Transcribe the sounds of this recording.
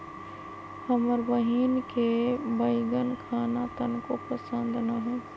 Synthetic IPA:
həməɾbəɦiːnkebəɪɡənkʰaːnat̪ənkopəsə̃nd̪ʱnaɦɛː

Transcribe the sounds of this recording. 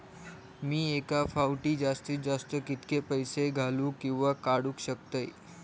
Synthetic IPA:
miːekafawʈiːd͡zast̪iːd͡zast̪əkit̪kepəjseɡʱaluːkĩw̃ʋakaɽuːkɕəkt̪əj

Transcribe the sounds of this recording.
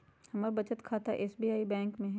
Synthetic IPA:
hɐmabɐt͡ʃət̪kʰaːt̪a̰ʔeːsbiːaːibɛ̃ːŋkmẽɦɛ

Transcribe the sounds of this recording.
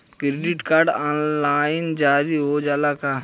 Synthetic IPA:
kɾeɖɪʈkaːɾɖaːnlaːɪnd͡ʒaːɾiɦod͡ʒaːlaka

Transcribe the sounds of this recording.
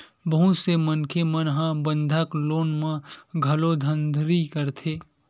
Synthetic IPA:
bəɦũsemənkʰemənɦãbə̃nd̪ʱakloːnmãɡʱɐlod̪ʱə̃nd̪ʱɾikəɾt̪ʰeː

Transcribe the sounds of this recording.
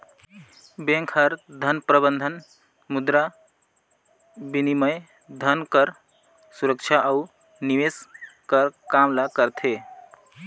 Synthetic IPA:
bẽŋkʰəɾd̪ʱənpɾəbənd̪ʱən | mud̪ɾa | biniməj | d̪ʱənkəɾ | suɾək̚t͡ʃʰaʔəu | niʋeskəɾkamlakəɾt̪ʰe

